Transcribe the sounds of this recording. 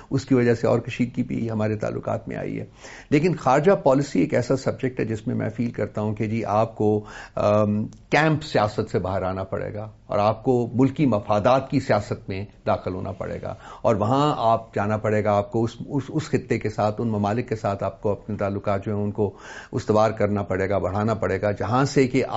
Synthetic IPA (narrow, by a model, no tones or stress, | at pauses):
ʊskiʋɐd͡ʒaseɔ̰ːɾkɐʃiːd̪̚kibʱḭɦɐmaːɾet̪a̰ːlːʊ̰qa̰ːt̪mḛ̃a̰ːḭɦɛ̰ː | leːkɪnxaːɾɪd͡ʒapɔːlɪsieːkɛːsasɐb̚d͡ʒɛk̚ʈɦɛd͡ʒɪsmẽmɛ̰̃ːfiːlkɐɾt̪aɦũked͡ʒiːʔaːp̚ko | kɛ̃ːmpsijaːsət̪sebaːɦəɾaːnapɐ̰ɽḛːɡaː | ɔ̰ːɾaːp̚komʊlkimɐfaːd̪aːt̪kisijaːsət̪mẽd̪aːxɪlɦo̰ːnʔa̰pɐ̰ɽḛːɡa̰ːɔːɾʋɐɦãaːp̚d͡ʒaːnapɐɽeːɡaːp̚koʊsʊsʊsxɪt̪ːekesaːt̪ʰʊnmɐmaːlɪkːesaːt̪ʰaːp̚koɐpnet̪aːlːʊkaːt̪̚d͡ʒoɦɛ̃ʊnkoʊst̪ʋaːɾkɐɾnapɐɽeːɡabɐɽ̤aːnapɐɽeːɡad͡ʒɐɦãsekeʔa̰ː